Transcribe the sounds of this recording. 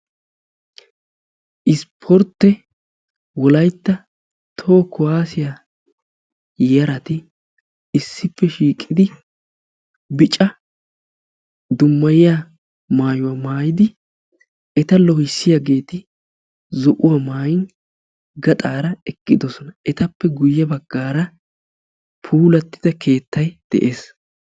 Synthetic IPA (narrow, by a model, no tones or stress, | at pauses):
ʔɪspʰɔɾt̪ːɛ | wɔlɐjt̪ːɐ | t̪ʰo̞ːkːɔwaːsɪja | jɐɾɐt̪ɪ | ɪsːɪpːɛʃiːkʼːɪd̪ɪ | bɪt͡ʃʼɐ | d̪ʊmːɐjɪja | maːjʊwɐmaːjɪd̪ɪ | ɛt̪ɐlɔhɪsːɪjaɡe̞ːt̪ɪ | zɔʔʊwɐmaːjɪn | ɡɐt̪ʼaːɾɐɛkːɪd̪ɔsɔnɐʔɛt̪ɐpːɛɡʊjːɐbɐɡːaːɾɐ | pʰuːlɐt̪ːɪ̥d̪ɐkʰe̞ːt̪ːɐjd̪̥ɛ̰ʔe̞ːs